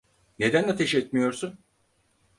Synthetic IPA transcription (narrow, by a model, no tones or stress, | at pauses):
ne̞d̪ænat̪ʰɛʃɛt̪mijo̞ɾsun